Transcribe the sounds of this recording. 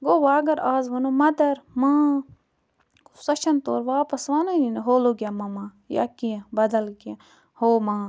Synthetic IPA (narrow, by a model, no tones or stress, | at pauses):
ɡoʋaːɡɐɾaːzʋɐnoːmɐd̪ɐɾmãː | kusɐt͡ʃʰɐnt̪o̰ːɾʋaːpɐsʋaːnɐjineɦoːloɡʲjamɐmã | ja̰kiẽbɐd̪ɐlɡiẽ | hoːmãː